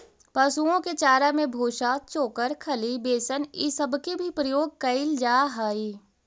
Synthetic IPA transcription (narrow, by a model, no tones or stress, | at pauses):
pɐsuõket͡ʃaːɾamẽbʱoːʃaːt̪̚t͡ʃoːkəɾkʰɐlibeːsənisɐbkebʱipɾɐjoːɡ̚kɐɪld͡ʒaːɦaːiː